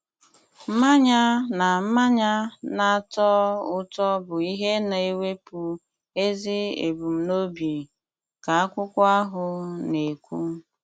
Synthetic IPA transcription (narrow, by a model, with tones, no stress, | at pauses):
m̩˦ma˦ɲa˦na˨m̩˦ma˦ɲa˦na˨a˨tɔ˦ʊ˦tɔ˦bʊ˨i˦ɦe˦na˨e˦we˦pu˨ | e˦zi˦ḛ˨bu˨m̩˨no˦bi˨ | ka˨a˦kʷʊ˦kʷa˦ɦʊ˨ne˨kʷu˦